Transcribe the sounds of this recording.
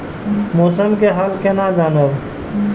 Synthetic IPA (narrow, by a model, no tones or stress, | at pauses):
moːsəmkeɦalkenad͡ʒaːnəb